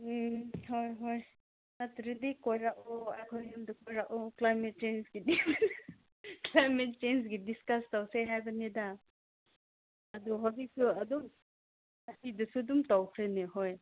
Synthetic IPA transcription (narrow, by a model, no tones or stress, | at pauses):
hɔjɦɔj | natɾidikɔjɾaʔɔakʰɔjnumdɔkɔjɾaʔɔklajmet̚t͡ʃensɡidi | klajmet̚t͡ʃensɡidiskastawseɦajbaneda | dɔɦɔdisuadɔm | asidusudumtawkʰɾeneɦɔj